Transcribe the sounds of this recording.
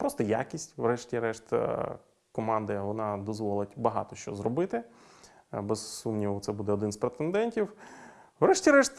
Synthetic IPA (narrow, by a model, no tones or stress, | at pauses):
pɾɔst̪ɔja̰kʲisʲtʲʋɾɛʃtʲiɾɛʃt̪ʲ | kɔmɑnd̪ɐʋɔnɑd̪ɔzʋɔlˠɪtʲbɐɦɑ̰t̪ɔʃt͡ʃɔzɾɔbɪt̪ɪ | bɛzsumnʲiʋɐt̪sɛbud̪ɛɔd̪ɪnspɾet̪end̪ɛnʲtʲiw | wɾɛʃtʲiɾɛʃt̪